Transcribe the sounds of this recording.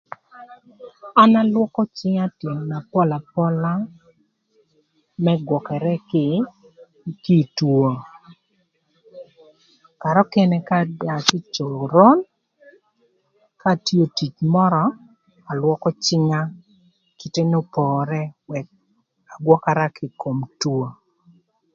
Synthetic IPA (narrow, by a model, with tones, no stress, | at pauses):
a˦na˦lwɔ˦kɔ˦t͡ʃɪ˦ŋa˦tje˨na˨pɔ˦la˨pɔ˦la˦ | mɛ˦ɡwɔ˨kɛ˨ɾɛ˦kɪ˦ | ki˦˨two˨ | ka˨ɾɔ˦kɛ˦nɛ˦ka˦da˨kɪ˦t͡ʃo˨ɾo˦n | ka˦˨ti˦o˨ti˨t͡ʃmɔ˦ɾɔ˨ | a˨lwɔ˦kɔ˦t͡ʃɪ˦ŋa˦ | ki˨te˦no˦pɔː˨ɾɛ˦wɛ˨k̚ | a˨ɡwɔ˦ka˦ɾa˦kʰɪ˨ko˨mtwo˨